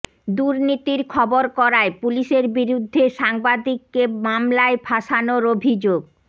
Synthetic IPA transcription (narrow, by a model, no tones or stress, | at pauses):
d̪uɾnit̪iɾkʰɔboɾkɔɾaepuliʃeɾbiɾud̪ʱːeʃaŋbad̪ikːemamlaebʰʱaʃanoɾobʱid͡ʑoɡ̚